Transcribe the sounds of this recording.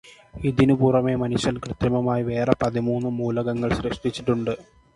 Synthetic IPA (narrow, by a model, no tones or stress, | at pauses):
id̪inubuːrɐme̞mɐnuɕɐnkrɨt̪jɐmɐmaːjiʋe̞ːrɐpɐðimuːnːɨmuːlɐɣɐŋːɐɭɕɾeʂʈit͡ɕːiʈːuɳɖɨ